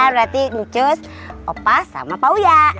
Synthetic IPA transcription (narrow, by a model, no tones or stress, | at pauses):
abəɾat̪idut͡ʃəs | ɔpasa̰mapaujaʔ